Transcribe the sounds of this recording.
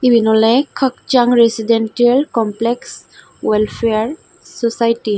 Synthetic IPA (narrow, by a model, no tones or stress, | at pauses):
ibinɔlekʰəkt͡ʃaŋɾesiɖenʈiəlkɔmpleks | welpʰeaɾ | sɔsajʈi